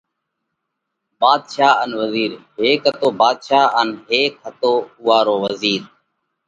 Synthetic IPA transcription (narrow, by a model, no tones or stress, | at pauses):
baːd̪ʃaːənʋəziːɾɦeːkɦət̪oːbaːd̪ʃaːənɦeːkɦət̪oːʊːaːɾoːʋəziːɾ